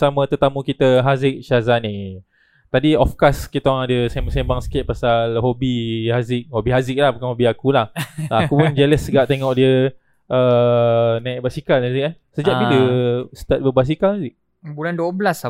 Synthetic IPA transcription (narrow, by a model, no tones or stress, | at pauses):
samə̃t̪ət̪amukit̪əɦazɪk̚ʃazani | t̪adiɔfkaskit̪awaŋadəsɛmasembaŋsə̥kɪt̪̚pasalɦobihazɪk̚hobiɦazɪk̚lahbakanhobiakulahakupʊnd͡ʒələsəɡaʔt̪eŋɔʔdiə | ʔə | naik̚basikalazɪk̚a | səd͡ʒaʔbiləsə̥t̪at̪̚bəbas̬ikalhazɪk̚ | bulanduəbəlas